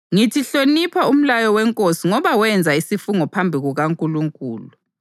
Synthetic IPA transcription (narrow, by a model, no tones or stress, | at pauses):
ŋitʰiɬonipʰaum̩lajɔwɛŋkʼosiŋɔβawɛnd͡zʱaisifuŋɔpʰambʱiɣuɣaŋkʼuluŋkʼṵːlu